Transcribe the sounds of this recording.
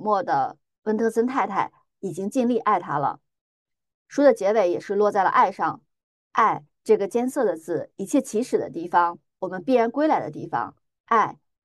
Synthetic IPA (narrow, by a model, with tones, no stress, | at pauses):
mwɔ˥˩d̪ə̰˩ | wə˥nt̪ʰɤ˥sə˥nt̪ʰa˥˧ɪt̪ʰa˥˩ɪ | i˨˩t͡ɕi˥ŋt͡ɕi˥˧nli˥˧ʔa˥˩ɪt̪ʰa˥lə̰˨ | ʂu˥d̪ə˨t͡ɕjɛ˧˥we˧˥˩ɪjɛ˨˩ʂɻ̩˥˧lwɔ˥˧t͡sa˥˩ɪlə̰˩ʔa˥˧ɪʂɑ˥˧ŋ | ʔa˥˧ɪ | ʈ͡ʂɤ˥˩ɡə˩t͡ɕjɛ˥nsɤ˥˩d̪ə˩t͡sɹ̩˥˩i˨˩t͡ɕʰjɛ˥˩t͡ɕʰi˧˥ʂɻ̩˨˩d̪ə̰˦t̪i˥˩fɑ˩ŋ | wɔ˨˩mə˦npi˥˩ɻa˧˥nkwe˥ɪla˧˥ɪd̪ə̰˦t̪̬i˥˩fɑ̰˧˩ŋ | a˥˧ɪ